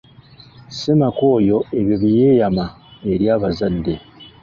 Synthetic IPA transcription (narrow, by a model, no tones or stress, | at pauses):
semako̞ːjo̞eβjoβije̞ːjama | e̞ɾjaːβazadːe̞